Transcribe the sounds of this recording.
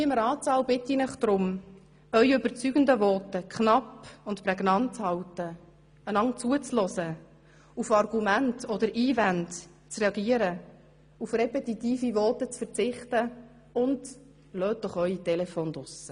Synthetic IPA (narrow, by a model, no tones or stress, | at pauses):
iɪmɾɑːt͡sɑːlbɪt̪ːinɪχd̥̪ɾʊm | œɥøbəɾt͡syɡ̥ənd̪əvɔt̪əkχnɑpʊntpɾɛɡnɑnt̚t͡shɑwtə | ənɑŋt͡suət͡slɔsə | ufɑrɡ̥umæntɔd̪əɾʔiːvænt | t͡srɛɑɡiəɾə | ufrɛpɛt̪it̪iːfiʋɔːt̪ət͡sfəɾt͡sɪχtə | ʊnd | løːt̚d̥̪ɔχœɥit̪ɛlɛfoːnd̪ʊsə